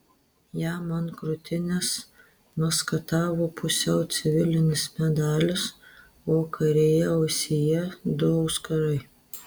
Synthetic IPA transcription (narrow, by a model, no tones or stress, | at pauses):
jæːmɐnkɾʊt̪ʲɪnʲɪs | mɐskɐt̪ɑːʋoːpʰʊsʲɛʊt̪sʲɪʋʲɪlʲɪnʲɪsmʲɛd̪ɑːlʲɪs | oːkʰɐɾʲeːjɛɔʊsʲɪjɛd̪ʊɐʊskɐɾɐɪ